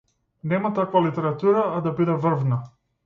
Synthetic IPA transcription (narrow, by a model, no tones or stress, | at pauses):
nɛmat̪akvalit̪ɛɾat̪uɾaːd̪abid̪ɛvr̩vna